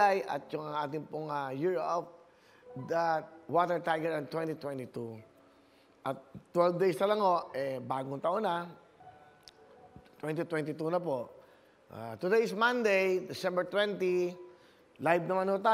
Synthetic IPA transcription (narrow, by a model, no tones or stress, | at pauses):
ajɐ̰t̪̚jʊŋɐŋʔaːt̪ɪŋpʊŋajuɹʔop̚ | d̪ɐt̪̚wat̪ɛɹt̪ajɡɛɹɐnt̪wɛnt̪it̪wɛ̃nt̪it̪u | ʔɐt̪ːwɛlvd̪ejst̪ɐlɐŋhoʔʔɛbaːɡʊŋt̪ɐʔonɐ | t̪wɛnt̪it̪wɛnt̪ɪt̪unɐp̬oʔ | ʔa̰t̪ʊd̪ejsmɐ̃nd̪ejd̪ɪsɛ̃mbɛɹt̪wɛnt̪i | lajbnɐmanhot̪aː